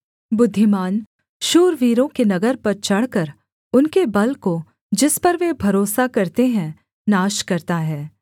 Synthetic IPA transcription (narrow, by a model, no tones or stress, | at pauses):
bʊd̪ʱːɪmaːn | ʃuːɾʋiːɾõkenɐɡəɾpɐɾt͡ʃɐɽ̤kəɾ | ʊnkebɐlko | d͡ʒɪspɐɾʋebʱɐɾoːsakɐɾt̪eɦɛ̃ | naːʃkɐɾt̪aɦɛː